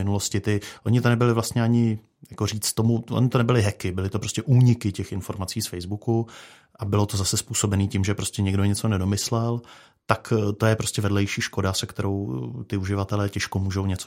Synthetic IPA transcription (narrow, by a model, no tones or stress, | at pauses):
ɪnulo̞scɪt̪ɪʔo̞ɲɪt̪onɛbɪlɪvlast̪ɲɛaɲɪ | jakoriːt͡st̪o̞muʔo̰ɲɪt̪onɛbɪlɪɦɛkɪbɪlɪt̪opɾo̞scɛʔuːɲɪkɪcɛxɪnfo̞ɾmat͡siːsfɛjzbuku | ʔabɪlo̞t̪o̞zasɛspuːso̞bɛniːcɪmʒɛpɾoscɛɲɛɡdoɲɛt͡so̞nɛdo̞mɪslɛl | t̪akt̪o̞jɛpɾo̞scɛvɛdlɛjʃiːʃko̞dasɛkt̪ɛɾo̞wt̪ɪuʒɪvat̪ɛlɛːcɛʃkomuːʒo̞wɲɛt͡so